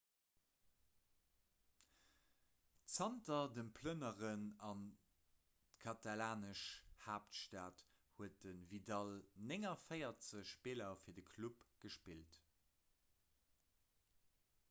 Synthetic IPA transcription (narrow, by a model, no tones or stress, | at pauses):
t͡sɑntɐdənpʰlənəʁənɑn | tkʰɑtalaːnəʃhaːptʃtaːt | huət̚dənvidɑlneŋɐfəɪɐt͡səʃʃpiːlɐfiːɐdəkʰlupɡ̥əʃpilt